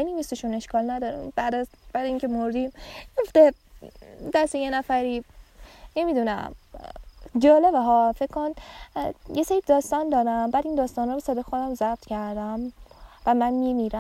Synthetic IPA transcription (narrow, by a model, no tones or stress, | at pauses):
eniviseʃune̞ʃkɒːlnæd̪ɒːɾḭbæd̪æb̥æɾjiŋcʲʰe̞moɾd̪imjoft̪e | d̪æsejenæfæɾiː | ne̞miːd̪unæ̰m | d͡ʒɒːlebeɦɒːfekʰkʰːon | jeseɾibd̪ɒːst̪ɒːnd̪ɒːɾæmbæːd̪iːnd̪ɒːst̪ɒːnhɒːbesɛːd̪ɒːxod̪æmzæb̥̚t̪ʰcʰæɾd̪æmvæmænmiːmiːɾæ